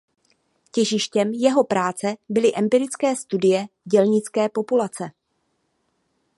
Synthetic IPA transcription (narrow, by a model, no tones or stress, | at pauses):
cɛʒɪʃcɛmjɛɦo̞pɾaːt͡sɛbɪlɪʔɛmpɪɾɪt͡skɛːst̪udɪjɛɟɛlɲɪt͡skɛːpo̞pulat͡sɛ